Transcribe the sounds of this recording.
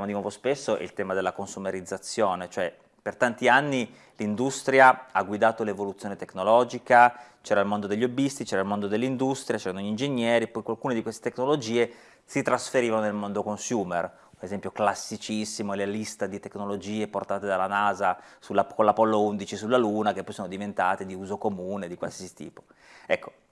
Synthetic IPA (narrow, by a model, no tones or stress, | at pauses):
amod̪inwɔːvospesːoʔḭlt̪ɛːmad̪elːakonsumeɾid̪zːat̪sːjoːnet͡ʃoɛ | pert̪ant̪ianːi | lind̪ust̪ɾjaaɡːwid̪aːt̪olevolut̪sjoːnet̪ekːnolɔːd͡ʒikat͡ʃɛːɾailmond̪od̪eʎːobist̪it͡ʃɛːɾailmond̪od̪elːind̪ust̪ɾjat͡ʃɛːɾanoʎind͡ʒeɲːɛːɾiepːɔjkwalkuːned̪ikwest̪et̪ekːnolod͡ʒiːe | sit̪ɾasfeɾiːvanonelmond̪okonsjuːmer | unezɛmpjoklasːit͡ʃisːimolelist̪ad̪it̪ekːnolod͡ʒiːeport̪aːt̪ed̪alːanaːzasulakolːapɔlːound̪it͡ʃisulːaluːnakepːɔjsoːnod̪ivent̪aːt̪ed̪iuːzokomuːned̪ikwa̰lsiːsi̥t̪ḭːpo̥ | ɛkːo̥